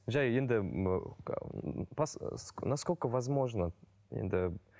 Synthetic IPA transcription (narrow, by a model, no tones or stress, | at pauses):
ʒajend̪ɪ̰ | passnaskolʲkəvazmo̞ʐnə | jḛnd̪ɪ